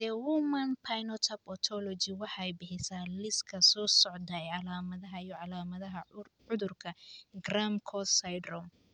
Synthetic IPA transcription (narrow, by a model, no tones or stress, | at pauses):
d̪ɛwumɐnpʰajnɔt̪ʰɐbɔt̪ʰɔlɔt͡ʃɪwɑħɑɛjbɪħɪsaːlɪskʰɐsɔːsɔʕd̪ɐɛjʕɑlaːmɐðɐɦɐijɔʕɑlaːmɐðɐɦɐ | ʊðʊrkʰɐɡramkʰɔsajdrɔm